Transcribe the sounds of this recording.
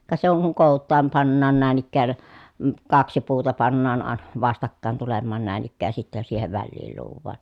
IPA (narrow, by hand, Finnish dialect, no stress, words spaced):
kɑ se oŋ kuŋ koˑutˑɑːm pɑnːɑːn næˑin ikːæːn m̩ kɑksi puːtɑ pɑnːɑːn ɑˑ ʋɑstɑkːɑˑen tulemːɑːn næˑin ikːæːj jɑ sitːɛ siːheʋ ʋælːiːl luːʋˑɑːn